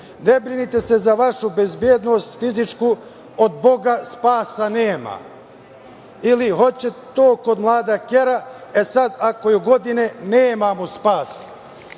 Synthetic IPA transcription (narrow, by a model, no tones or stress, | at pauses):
nebɾinit̪e̞se̞zaʋaʃube̞zbjeːd̪nost̪fizit͡ʃku | od̪̚bo̞ɡaspaːsaneːma̰ | iliɦo̞t͡ɕet̪oːko̞d̪mlˠaːd̪akeɾaesad̪ako̞juɡo̞d̪ineneːmamospaːs